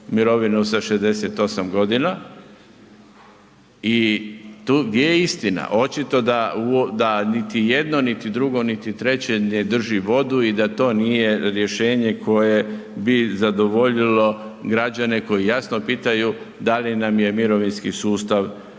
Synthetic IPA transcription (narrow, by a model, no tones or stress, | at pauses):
miɾo̞ʋinusaʃezd̪e̞se̞t̪o̞samɡo̞d̪ina | it̪uɡd̪jejeist̪ina̰ʔo̞t͡ʃit̪o̞d̪aud̪anit̪ijed̪no̞nit̪id̪ɾuɡo̞nit̪it̪ɾe̞t͡ɕened̪r̩ʒiʋo̞d̪uid̪at̪o̞ːnije̞ɾje̞ʃe̞ːɲe̞kʰo̞je̞bizad̪o̞ʋo̞ʎilo̞ɡɾad͡ʑane̞ko̞jijasno̞piːt̪aju | d̪alinamje̞miɾo̞ʋinskisuːst̪aʋ